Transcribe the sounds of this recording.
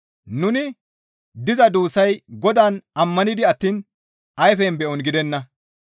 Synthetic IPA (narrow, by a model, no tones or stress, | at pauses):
nʊnɪ | d̪ɪzɐd̪uːsɐjɡɔd̪aːnɐmːɐnɪd̪ɪɐt̪ːiːn | ɐjfɛnbɛʔɔnɡɪd̪ɛnːɐ